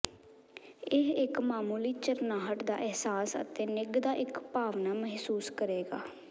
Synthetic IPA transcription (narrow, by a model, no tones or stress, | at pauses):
ɪɦɪkmaːmuːliːt͡ʃəɾnaːɦəʈd̪a̰ːʔɛɦsaːsə̰t̪eːnɪɡd̪aːʔɪkpaːʋnaːməɦsuːskəɾeːɡa̰ː